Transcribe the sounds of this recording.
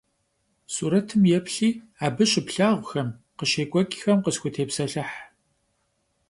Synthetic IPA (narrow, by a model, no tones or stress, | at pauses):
suːɾɐtʰɨmjɛpʰɬiː | aːbɨɕɪpɬaːʁʷʊxɐm | qəʃeːkʷʼɔkʼxɐmqəsxʷʊtʰeːpsɐɬɨħ